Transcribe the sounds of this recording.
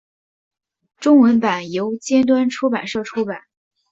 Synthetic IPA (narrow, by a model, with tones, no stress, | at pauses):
ʈ͡ʂʊ˥ŋwə˧˥npa˨˩njo˧˥ʊt͡ɕjɛ˥nt̪̬wa˥nʈ͡ʂʰu˥pa˨˩nʂɤ˥˩ʈ͡ʂʰu˥pa˨˩˦n